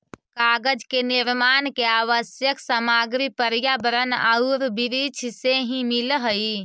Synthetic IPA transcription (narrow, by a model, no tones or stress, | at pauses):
kaɡəd͡ʒkeniɾmankeaʋəsjəksəmaɡɾipəɾjabəɾəna̰uɾbiɾit͡ʃʰseɦĩmilɦəi